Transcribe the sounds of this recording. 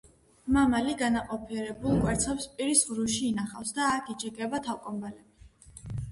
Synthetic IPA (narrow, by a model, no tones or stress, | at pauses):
mamaliɡanaqʼɔpʰiɛɾɛbulˠkʼwɛɾt̪sʰɛpspʼiɾisʁɾuʃiːnaχafsd̪aːkʰid͡ʒiɡɛbat̪ʰalkʼɔmbalɛbi